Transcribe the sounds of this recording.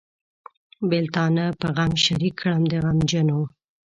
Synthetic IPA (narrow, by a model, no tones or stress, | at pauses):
bɪlt̪ɑnapəɣamʃaɾikʰːɽəmd̪əɣamd͡ʒənow